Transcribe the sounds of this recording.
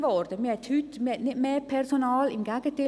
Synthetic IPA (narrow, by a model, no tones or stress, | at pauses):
ʋɔɾd̪əmihɛt̪hyt̪miɛt̪nɪt̪meːpʰɛɾsonɑːlɪmɡæɡ̥ət̪ɪ